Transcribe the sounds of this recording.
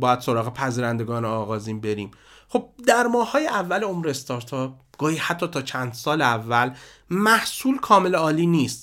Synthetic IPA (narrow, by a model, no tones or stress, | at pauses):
bɒːjæd̪̥so̞ɾɒːɣepʰæziːɾænd̪e̞ɡɒːneɒːɣɒːziːnbe̞ɾiːm | χo̞b̥̚d̪æɾmɒːhhɒːjeʔævːæleomɾeest̪ɒːɾt̪ʰɒp̚ɡ̥ɒːhiːhæt̪ʰːɒːt̪ʰɒːt͡ʃʰænd̪sɒːleævːæl | mæhsuːlkʰɒːme̞leɒːliːniːst̪